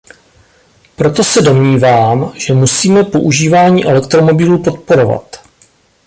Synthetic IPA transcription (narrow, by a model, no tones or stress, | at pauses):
pɾo̞t̪o̞sɛdo̞mɲiːvaːmʒ̥ɛmusiːmɛpo̞ʔuʒiːvaːɲiːʔɛlɛkt̪ɾo̞mo̞bɪluːpo̞t̪̚po̞ɾo̞va̰t̪